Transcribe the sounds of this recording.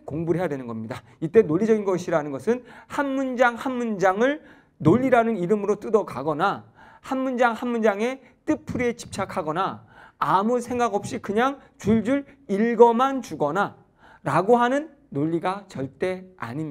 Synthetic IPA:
koŋbuɦe̞jadwenɯnɡʌmɲida | it͈e̞noʎːid͡ʑʌɡinɡʌɕʰiɾanɯnɡʌsʰɯnhanmund͡ʑaŋhanmund͡ʑaŋɯɭ | noʎːiɾanɯniɾɯmɯɾot͈ɯdʌkaɡʌna | hanmund͡ʑaŋhanmund͡ʑaŋe̞ | t͈ɯpʰuɾie̞t͡ɕi̥p̚t͡ɕʰakʰaɡʌnaː | musʰe̞ŋɡaɡʌp̚ɕ͈ikɯɲaŋ | t͡ɕuɭd͡ʑuɾiɭɡʌmant͡ɕuɡʌna | ɾaɡoɦanɯnːoʎːiɡat͡ɕʌɭt͈e̞a̰ɲimɲ

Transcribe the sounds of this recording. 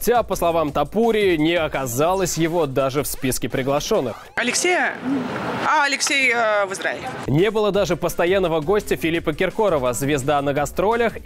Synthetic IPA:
tʲapəslˠɐvamt̪ɐpuɾʲɪːnʲɪɐkɐzalˠəsʲjɪvo̞d̪aʐɨfspʲiskʲɪpɾʲɪɡlˠɐʂo̞nːɨxɐlʲɪksʲejə | aɐlʲɪksʲejvɨzɾaɪlʲɪnʲe̞bɨlˠəd̪aʐɨpəst̪ɐjanːəvəɡo̞sʲtʲəfʲɪlʲipəkʲɪrko̞ɾəvəzvʲɪzd̪anəɡɐst̪ɾo̞lʲəx

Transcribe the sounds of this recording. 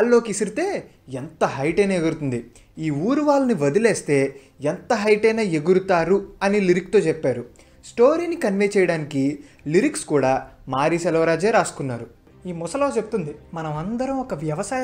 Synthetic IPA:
aːlːo̞ːkisiɾit̪e̞ː | ent̪ɐɦɐjʈejneɡuɾut̪und̪i | iːuːɾuʋaːlɐniʋɐd̪ilɛːst̪e̞ː | ent̪ɐɦɐjʈɐjnaːe̞ɡuɾut̪aːɾuɐniliɾik̚t̪o̞ːt͡ʃɛpːaːɾu | sʈo̞ːɾiːnikɐnʋejt͡ʃɛjɐɽaːniki | liɾikskuːɽaːmaːɾisɛlɐʋɐɾaːd͡ʒeːɾaːsu̥kunːaːɾu | iːmɔsɐlo̞ːt͡ʃe̞but̪und̪imɐnɐmɐnd̪ɐɾɐmɔkɐʋjɐʋɐsaːj

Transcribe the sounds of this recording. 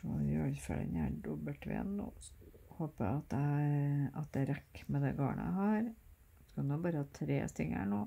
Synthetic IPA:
ɔjøːlfɛlə̰næɖɔbəʈʋḛːnnoːhoːpəɑt̪̚d̪ɛ | ɑt̪̚d̪ɛɾɛkːmɛd̪ɛɡɑːɳə̰æ̰ɦɑːɾ | skɑnːbɑːɾəhɑt̪ʰɾḛːst̪ʰɪŋæ̰ɳoː

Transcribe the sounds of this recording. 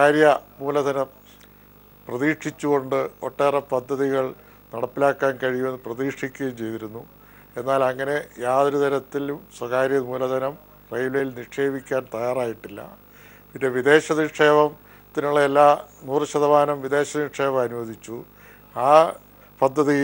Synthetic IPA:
kaːɾjɐmuːlɐd̪ʱɐnɐm | prɐðiːʂit͡ɕːuɣo̞ɳɖɨo̞̰ʈːe̞ːrɐpɐd̪ʱːɐðiɣɐɭ | nɐɽɐpːilaːkːaːnkɐɻijume̞nːɨprɐðiːʂikʲːɣejumt͡ɕe̞jt̪iɾunːu | e̞nːaːlɐŋːɐne̞jaːðɐɾud̪ɐɾɐt̪ːilumswɐkaːɾjɐmuːlɐd̪ʱɐnɐm | rɐjlejilniʂe̞ːbikʲːaːnt̪ɐjaːraːjiʈːilːɐ̰ | pinde̞ʋid̪e̞ːɕɐniʈʂe̞ːʋɐm | t̪ːinuɭːɐelːaːnuːrɕɐðɐʋaːnɐmʋidðe̞ːɕɐniʂe̞ːʋɐmɐnuʋɐd̪ʱit͡ɕːu | aː | pɐd̪ʱːɐðij

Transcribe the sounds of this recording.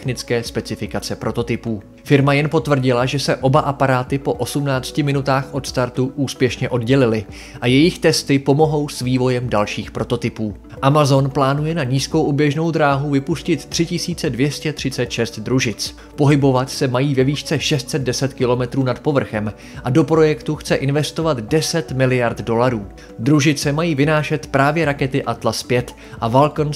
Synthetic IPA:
xnɪt͡skɛːspɛt͡sɪfɪkat͡sɛpɾo̞t̪o̞t̪ɪpuː | fɪɾmajɛnpo̞t̪vr̩ɟɪlaʒɛsɛʔo̞baʔapaɾaːt̪ɪpo̞ʔo̞sumnaːt͡scɪmɪnut̪aːxʔo̞t̪st̪aɾt̪uʔuːspjɛʃɲɛʔo̞dɟɛlɪlɪ | ʔajɛjɪxt̪ɛst̪ɪpo̞mo̞ɦo̞wsviːvo̞jɛmdalʃiːxpɾo̞t̪o̞t̪ɪpuː | ʔamazo̞nplaːnujɛnaɲiːsko̞wʔobjɛʒno̞wd̪ɾaːɦuvɪpuscɪt̪ːr̝̥ɪcɪsiːt͡sɛdvjɛscɛt̪r̥ɪt͡sɛt̪ʃɛst̪d̪ɾuʒɪt͡s | po̞ɦɪbo̞vat̪sɛmajiːvɛviːʃt͡sɛʃɛst̪t͡sɛd̪̚dɛsɛt̪kɪlo̞mɛt̪ɾuːnat̪po̞vr̩xɛm | ʔado̞pɾo̞jɛkt̪uxt͡sɛʔɪnvɛst̪o̞vat̪dɛsɛt̪mɪlɪjaɾt̪do̞laɾuː | d̪ɾuʒɪt͡sɛmajiːvɪnaːʃɛt̪pɾaːvjɛɾakɛt̪ɪʔat̪laspjɛt̪ | ʔavalkn

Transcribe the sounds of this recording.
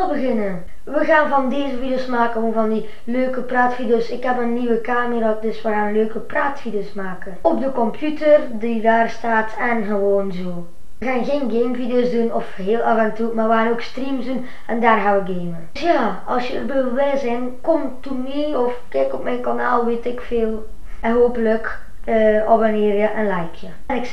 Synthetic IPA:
ɛlˠbəɣɪnən | ʋəɣaːnvɑndeːzəvideoːsmaːkəonvɑndi | løːkəpraːtfidoːsɪkhɛpənːiʋəkaːməɾadɵsʋəɣaːnløːkəpraːtfideoːsmaːkənɔp̚dəkɔmpjytərdidaːrstaːtʰɛnɣəʋoːnzoː | ʋəɣaːnɣeːnɡeːmvideoːzdunɔfheːlˠavɛntuːmarʋəxaːnokstrimsdun | ɛndaːrɦaʋəɡeːmə | sjaː | ɑlsjəərbøbʋɛzɪn | kɔmtumiɔfkɛkɔpmɛjnkanaːlˠʋeːtɪkfeːlˠ | ɛnɦoːpələk | əɔʋaneːrjəʔənlɛjkʰjə | ɛnɪk

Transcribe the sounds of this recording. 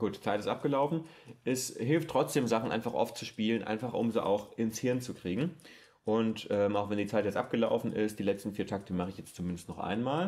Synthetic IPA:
ɡ̥uːt̚d̥i̥t͡saɪtɪstʔap̚ɡ̥əlaʊfn̩ʔɛsɦɪlftːʁ̥ɔt͡sd̥eːmzaχn̩ʔa̰ɪnfaχʔɔ̰ftt͡suʃpiːlənʔa̰ɪnfaχʔʊ̰mziːʔa̰ʊxʔɪnshɪɐnt͡sukʁ̥iːɡŋ̩ | ʔʊntʔɛːmaʊxvɛndiːt͡saɪtjɛt͡stʔap̚ɡ̥əla̰ʊfn̩ɪ̰st̚d̥iːlɛt͡stn̩fiːɐtʰak̚tə̥imaχəɪçjɛt͡stt͡sumɪndəstnɔχʔa̰ɪnmaːl

